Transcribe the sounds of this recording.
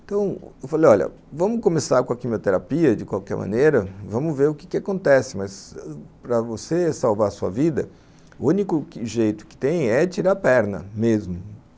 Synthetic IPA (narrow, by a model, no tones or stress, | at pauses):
t̪ɐ̃w̃ewfalejɔʎɐ̰ | vɐ̃mʊkomesaɾkõɐkimiot̪eɾapiɐd͡ʒɪkwawkɛ̰ɾmɐ̰̃nejɾɐvɐ̃mʊveɾʊkɪ̥kɪakõnt̪ɛsɪmɐzpɾɐvosesawvaɾsuɐ̰vid̪ɐ | ũnikʊʒejt̪ʊ̥kɪ̥t̪ẽj̃ɛt͡ʃiɾaɾpɛɾnɐ̰mezmʊ